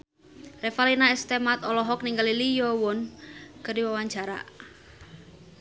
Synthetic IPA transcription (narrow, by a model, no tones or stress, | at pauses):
refalinaɛst̪emat̪ɔlɔɦɔk̚niŋɡalilijɔwʊnkərdiwawaɲd͡ʒaɾa̰ʔ